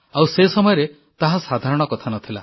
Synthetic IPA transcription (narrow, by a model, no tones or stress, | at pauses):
awsesɔmɔjɔɾe | t̪aɦasad̪ʱaɾɔɽ̃ɔkɔt̪ʰanɔt̪ʰila̰